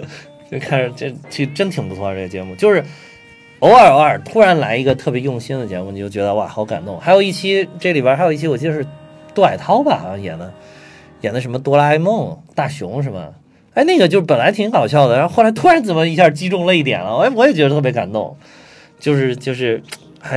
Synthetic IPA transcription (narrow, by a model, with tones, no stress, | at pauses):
t͡ɕo˥˧˩kʰa˥˩n˧˩ʈ͡ʂə˥˧˩t͡ɕʰy˥˩ʈ͡ʂə˥nt̪ʰi˨˩ŋpu˧˥t͡sʰwɔ˧ʈ͡ʂɤ˥˩ɡə˩t͡ɕjɛ̰˧˥mu˥˩t͡ɕjo˥˧ʊʂɻ̩˥˩ | o˧˥ʊə˞˨˩˥ə˞˨˩t̪ʰu˥ɻa˧˥nla˧˥ɪi˧˥ɡə˧t̪ʰɤ˥˩pjɛ˧˥jʊ˥˩ŋɕi˥nd̪ə˨t͡ɕjɛ˧˥mu˥˩˧jo˥˩t͡ɕɥɛ˧˥d̪ə˧wa̰˥˩xɑ˧˥ʊka̰˨˩nt̪ʊ˥˩ŋxa˧˥ɪjo˨˩ʊi˥˩t͡ɕʰi˥ʈ͡ʂli˨˩ba˥˩xa˧˥jʊi˥˩t͡ɕʰi˥wɔ˨˩t͡ɕi˥˧ə˧ʂɻ̩˥˧t̪a˥˩ɪt̪ʰɑ˥ʊbɐ̰˨˩jɛ̰˨˩nd̪ə˦ | jɛ˨˩nd̪ə˦ʂ̬ə˧˥mə˧t̪wɔ˥la˥ɪmɤ˥˩ŋt̪a˥˩ɕjʊ̰˧˥ŋʂ̬ə˧˥mə̰˨˩˥ | ɪna˥˩ɡə˩t͡ɕjo˥˧ʊʂɻ̩˥pə˨˩nla˧˥ɪt̪ʰi˧˥ŋkɑ˨˩ʊɕjɑ˥˩ʊd̪ə˩a˥xo˥˩lt̪ʰu˥ɻa˧˥nt͡sə˨˩nmə˦i˧˥ɕja˥˩t͡ɕi˥ʈ͡ʂʊ˥˧ŋlə˧i˥˩t̪jɛ̰˨˩nə˦wɔ˧˥wɔ˧˥jɛ˨˩t͡ɕɥɛ˧˥d̪t̪ʰɤ˥˩pjʲka̰˨˩nt̪ʊ̰˥˩ŋ | t͡ɕjo˥˧ʊʂ̬ɻ̩˥˧t͡ɕjo˥˧ʊʂɻ̩˥˧ | xa˧˥